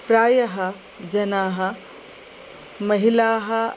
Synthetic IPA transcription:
pɾaːjɐɦɐ | d͡ʒɐnaːɦɐ | mɐɦilaːɦɐ

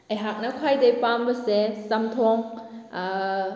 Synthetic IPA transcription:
ʔejɦak̚nakʰwajdejpambasesamt̪ʰɔŋa

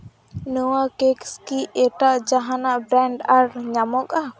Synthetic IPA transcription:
nuwakekskiɛʈaʔd͡ʒaɦanaʔbɾɛɳɖaɾɲamɔka

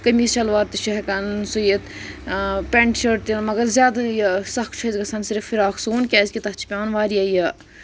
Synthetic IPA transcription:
kɐmiːʃɐlʋaːɾt̪ɨʃɐɦkɐnsujɐt̪ | pʲeɳʈʃɐɾt̪ilmɐɡɐɾzjaːd̪ɐjɐsɐkʰt͡ʃʰɐzɡɐsʰɐnsiɾfiɾaːksuːnkʲaːzʲkʲit̪ɐt͡ʃʰi̥pʲaːnʋaːɾijɐjɐ

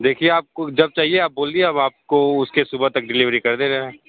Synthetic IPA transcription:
d̪eːkʰieaːp̚kod͡ʒɐb̚t͡ʃaːɦieaːp̚boːld̪ieɐbaːp̚koʊskesʊbət̪ɐk̚ɖɪlɪʋɾikɐɾd̪eːɾɐɦẽː

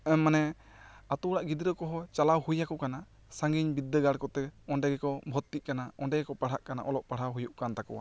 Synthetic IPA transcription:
ɛmːanɛ | at̪ɔɽaʔɡid̪ɾəkɔɦɔt͡ʃalawɦujakɔkana | saŋɡiɲbid̪ːəɡaɽkɔt̪ɛɔɳɖɛɡɛkɔbʱɔt̪ːiʔ̚kanaɔɳɖɛɡɛkɔpaɽ̤aʔkana̰ʔɔlɔʔpaɽ̤awɦujuʔkant̪akɔwa̰

